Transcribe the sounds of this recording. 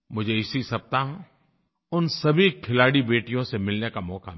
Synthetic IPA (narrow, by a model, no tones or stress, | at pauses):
mʊd͡ʒʱeɪsisɐb̚t̪aɦɛ̃ | ʊnsɐbʱikʰɪlaːɽibeːʈijõsemɪlnekamɔːkʰam